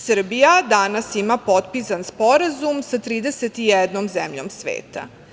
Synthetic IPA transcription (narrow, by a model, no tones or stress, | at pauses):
sr̩bijad̪anasimapot̪̚pisanspo̞ɾazumsat̪ɾiːd̪eset̪ijɛd̪nomzemʎo̞̰msʋḛːt̪a̰